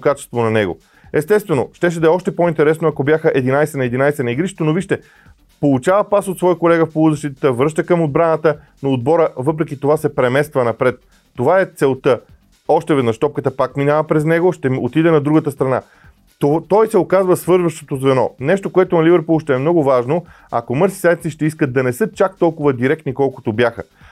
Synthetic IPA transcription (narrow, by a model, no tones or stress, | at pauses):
kat͡ʃɛ̥st̪vonɐnɛɡo̰ | ɛst̪ɛst̪vɛnoʃt̪ɛʃ̬ɛd̪ɛɔʃt̪ɛpoint̪ɛɾɛsnoɐkobjaxəʔɛd̪inajsɛnɐɛd̪inajsɛnɐiɡɾiʃɛ̥t̪onoviʃt̪ɛ | polˠut͡ʃavəpasot̪svɔjəkolɛɡəfpolˠud̪əʃt̪it̪t̪əvɾɤʃt̪əkəmod̪̚bɾanət̪ə | noːd̪̚bɔɾəvɤp̬ɾɛkit̪ovasɛpɾɛmɛst̪vənɐpɾɛt̪ː | ovaɛt̪sɛlˠt̪ə | ɔʃt̪ɛvɛd̪nəʃt̪ɔp̚kət̪əpakminavəpɾɛznɛɡoʃt̪ɛot̪id̪ɛnɐd̪ɾuɡət̪əst̪ɾɐna̰ | ot̪ɔjsɛokazvəsvɤɾzvəʃt̪o̥t̪ozvɛnɔnɛʃt̪okoɛt̪onɐlivɛɾpulˠʃt̪ɛɛmnɔɡʊvaʒno | ɐ̰komɤɾsi̥sajt̪̚tsiʃt̪ɛiskət̪d̪ɐnɛsɤt͡ʃak̚t̪ɔlˠkʊvəd̪iɾɛkt̪nikɔlˠko̥t̪objaxə̰